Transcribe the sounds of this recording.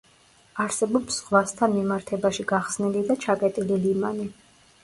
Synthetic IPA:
aɾsɛbɔbz̥ʁwast̪ʰanmimaɾt̪ʰɛbaʃiɡaχsnilid̪at͡ʃʰakʼɛt̪ʼililimani

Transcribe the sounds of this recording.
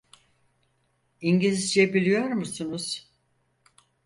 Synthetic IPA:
iɲɟilʲizd͡ʒɛbilʲijo̞ɾmusunuz̥

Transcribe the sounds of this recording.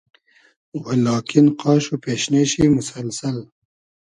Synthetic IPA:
walɑːkʰɪnqɑːʃopeːʃneʃimʊsalsal

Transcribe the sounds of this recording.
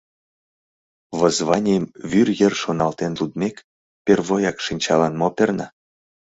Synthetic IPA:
βəzβɑnʲijmβyrjərʃonɑlt̪enlud̪mʲek | perβojɑkʃinʲt͡ɕɑlɑnmopʲernɑ

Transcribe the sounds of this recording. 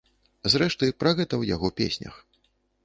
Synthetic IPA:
zɾɛʂt̪ɨjpɾaɣɛt̪ɐwja̰ɣɔpʲḛsʲnʲɐ̰x

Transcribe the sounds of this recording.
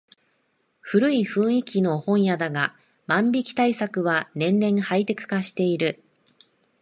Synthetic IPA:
ɸɯ̟ɾɯ̟iɸɯ̟̃ɰ̃ikʲino̞hõ̞ɰ̃jad̪aɡa | mãmbʲikʲi̥t̪aisakɯ̟βanẽ̞nːẽ̞ɰhait̪e̞kɯ̟̥kaɕi̥t̪e̞iɾɯ̟

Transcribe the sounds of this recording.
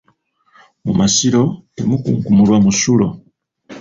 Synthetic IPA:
mumasiɾo̞tḛmukṵŋkumulwamusulo̞̰

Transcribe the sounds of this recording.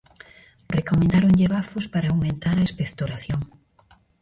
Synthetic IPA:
rekomẽnd̪aɾoŋʎeβafʊspaɾaːwmẽnt̪aɾɐespekt̪oɾaθjoŋ

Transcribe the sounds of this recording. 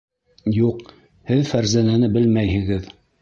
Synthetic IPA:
juq | hɘðfæɾzænænɘbɘlmæjhɘ̆ɡɘð

